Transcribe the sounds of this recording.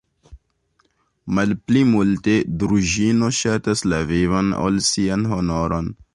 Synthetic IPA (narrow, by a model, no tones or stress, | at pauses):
mɐlplimult̪ed̪ɾuʒiːnoɕat̪ɐslɐveʋɐno̰lsijɐnɦonoɾon